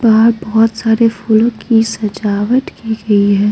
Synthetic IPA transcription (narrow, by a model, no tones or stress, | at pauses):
baːɾbɔɦɔt̪saːɾefuːlõkʰisɐd͡ʒaːwət̪kiɡɐiɦɛː